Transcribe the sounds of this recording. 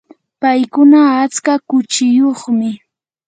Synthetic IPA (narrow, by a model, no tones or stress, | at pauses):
pajkʊnaːt͡skakʊt͡ʃɪjoχmɪ